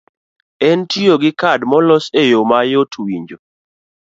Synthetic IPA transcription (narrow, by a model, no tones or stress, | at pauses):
ɛntioɡɪkadmɔlɔsejomajotʰwiɲd͡ʒo